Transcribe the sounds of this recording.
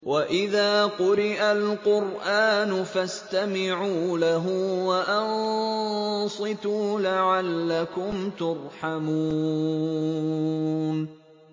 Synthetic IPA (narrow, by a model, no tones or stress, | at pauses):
waʔɪðaːqʊɾɪʔalqʊɾʔaːnʊfast̪amɪʕuːlaɦʊwaʔɑn | sˤɨt̪uːlaʕalːakʊmt̪ʊɾˤħamuː | n